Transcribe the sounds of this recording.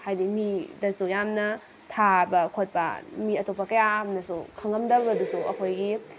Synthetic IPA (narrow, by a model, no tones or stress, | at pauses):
hajdimidɐsujamnɐ | tʰabɐkʰot̚pɐ̰miɐtopːɐkɐjamnɐsukʰɐŋɡɐmdɐbɐdusuɐ̰kʰojɡi